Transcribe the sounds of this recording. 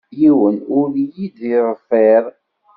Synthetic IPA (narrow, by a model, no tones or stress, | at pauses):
jiwənʊɾjid̪iðˤəfeɾˤ